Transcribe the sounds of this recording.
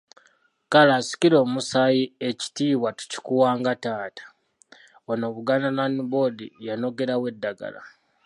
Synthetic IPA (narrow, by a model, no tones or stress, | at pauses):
kalaːsi̥ciɾo̞ːmusajieci̥tiːβwatu̥ci̥kuwaːŋɡataːtḁ | ono̞βuɡanananibo̞dḭjano̞ɡe̞ɾawe̞dːaɡa̰la̰